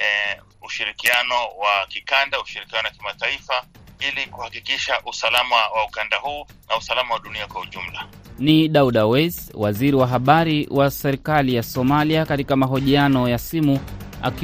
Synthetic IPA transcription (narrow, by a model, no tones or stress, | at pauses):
uʃiɾikianɔwakikandauʃiɾikianɔwakimataifa | ilikuhakikiʃaʔusalamawaukandahuːnʔausalamawaɗuniakwauʄum̩la | niɗauɗawɛzwaziɾiwaɦaɓaɾiwʔasɛɾikalijasɔmaliakatikamaɦɔʄianɔjasimu | a̰k